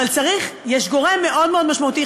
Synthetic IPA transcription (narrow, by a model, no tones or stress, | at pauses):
alt͡saʁiχjɛʃɡo̞ʁe̞mːe̞ʔo̞d̪meod̪maʃmaut̪i